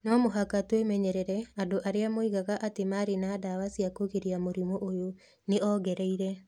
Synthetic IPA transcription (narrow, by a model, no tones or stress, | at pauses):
namoɦakatwemɛɲɛɾɛɾɛadoʔaɾeamoiɣaɣaʔatemaɾenadawasiakoɣeɾiamoɾimoʔojo | neʔɔɣɛɾɛiɾɛ